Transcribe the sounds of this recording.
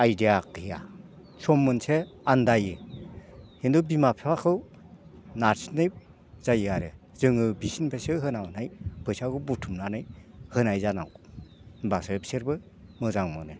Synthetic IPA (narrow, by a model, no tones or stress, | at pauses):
ajdiakija̰ | sʰɔmːɯnseandajɯ | hendubimapʰeakʰɯw | naɾsinɯj | z̥ajɯaɾɯ | zɯŋɯbisinpʰesɯɦɯnawnajbɯjsaɡɯbutʰumnanɯjhɯnajzana̰w | basepseɾbɯ | mɯzaŋmɔnɯ